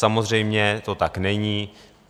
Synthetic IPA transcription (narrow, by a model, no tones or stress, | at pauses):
samo̞zr̝ɛjmɲɛt̪o̞t̪aknɛɲi